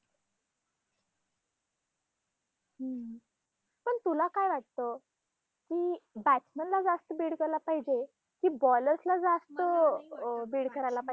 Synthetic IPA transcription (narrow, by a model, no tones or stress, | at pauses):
pəɳt̪ulakajʋaʈt̪o | kiːbæt͡sməɳlad͡zast̪əbiːɽkəɾlapaɦid͡ʑe | kiːbɔləɾslad͡zast̪ə | biːɽkəɾajlapa